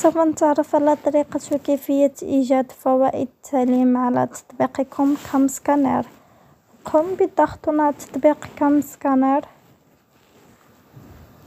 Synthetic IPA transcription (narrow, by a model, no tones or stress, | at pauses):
sɑfənt̪əʕɾˤəfʕalæt̪ˤɑɾiqɑt̪wkæfəjːaʔiʒæd̪fæwæʔə̰d̪ət̪ʰːaʕlimʕalæ̰t̪ɑ̥t̪ˤbiqikʰʊmkʰæmskænɛ̰ɾ | qʰʊmbid̪ɑxt̪unat̪ɑ̥t̪ˤbiqkæmskænæɾ